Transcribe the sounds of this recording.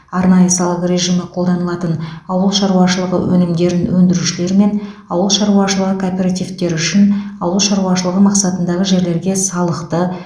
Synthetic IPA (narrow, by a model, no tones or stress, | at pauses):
ɑɾnɑjəsɑlˠəqɾʲe̞ʒiməqʰo̞lˠd̪ɑnəlˠɑt̪ənɑwəlˠʃɑɾuɑʃəlˠəʁə̰wʔɵ̰nɪmd̪e̞ɾd̪ɪnwʔɵnd̪ɪɾuʃɪle̞ɾɪme̞n | ɑwəlˠʃɑɾuɑʃəlˠəʁəkʰoːpʲe̞ɾat̪ivt̪e̞ɾʏʃɪnɑwəlˠʃɑɾuɑʃəlˠəʁəmɑqsɑt̪ənd̪ɑʁəʒe̞ɾle̞ɾɡʲe̞sɑlˠəqt̪ə